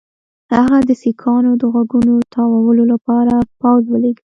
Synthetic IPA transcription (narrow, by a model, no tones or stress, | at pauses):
haɣad̪əsikʰɑnod̪əɣwaɡunot̪ʰɑwawəlolapɑɾapawzwəleɡi